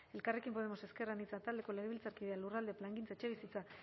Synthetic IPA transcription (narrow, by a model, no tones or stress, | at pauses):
e̞lkare̞kimpo̞ð̞emo̞se̞ske̞ranit͡sat̪ald̪e̞ko̞leɣeilt͡saɾkiðealurald̪e̞plaŋɡint͡saet͡ʃe̞β̞isit͡sa